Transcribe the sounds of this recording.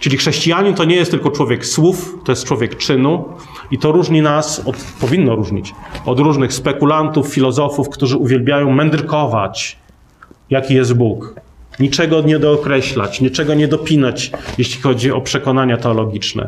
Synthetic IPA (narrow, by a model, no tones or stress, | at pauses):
t͡ʂɘlʲixʂɛɕt͡ɕijaɲint̪ɔɲɛjɛst̪ːɘlkɔt͡ʂwɔvʲjɛkswuft̪ɔjɛst̪̚t͡ʂwɔvʲjɛkt͡ʂɘnu | it̪ɔɾuʐɲinasɔt̪pɔvʲinːɔɾuʐɲit͡ɕɔd̪ɾuʐnɘxspɛkulant̪ufːʲilɔzɔfufkt̪uʐɘuvʲjɛlbʲjajɔ̃w̃mɛnd̪ɾkɔvat͡ɕ | jakʲijɛs̬t̪̚bukɲit͡ʂɛɡɔɲɛd̪ɔːkɾɛɕla̰t͡ɕɲit͡ʂɛɡɔɲɛd̪ɔpʲinat͡ɕjeɕlʲixɔd͡ʑiɔpʂɛkɔnaɲat̪ɛɔlɔɡʲit͡ʂnɛ̰